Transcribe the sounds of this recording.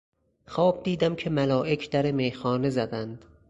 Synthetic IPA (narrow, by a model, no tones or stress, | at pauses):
xɒːb̚d̪iːd̪æmkʰemælɒːʔekʰd̪̥æɾemejxɒːne̞zæd̪ænd̪̥